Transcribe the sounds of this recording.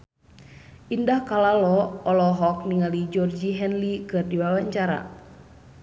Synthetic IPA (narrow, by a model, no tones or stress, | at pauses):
ʔindahkalalɔɔlɔɦɔk̚niŋalid͡ʒɔrd͡ʒiɦɛnlikɨrdiwawaɲt͡ʃaɾa̰